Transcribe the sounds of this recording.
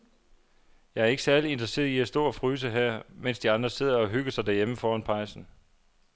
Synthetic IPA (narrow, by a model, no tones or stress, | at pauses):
jɑ̈ɪæɐe̝ɡ̥əsæɐlie̝nd̥ʁɐse̝̰ːð̩ˠiæsd̥o̝̰ːɒfʁyːs̬əɦæɐ̰men̰sd̥iɑ̈nd̥ʁɐse̝ð̰ˠɐɒ̽ɦyɡ̥ɐsɑ̈ɪd̥æɐjeməfɒːɒnpʰɑ̈ɪsn̩